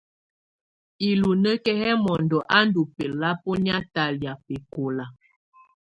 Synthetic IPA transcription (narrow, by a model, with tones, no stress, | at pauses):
i˨lu˨nə˦kɛ˦hɛ˦mɔ˨ndɔ˨ʔa˦n˦du˨pɛ˨la˦po˦ni˦a˦ta˨lja˨pe˨ko˨la˨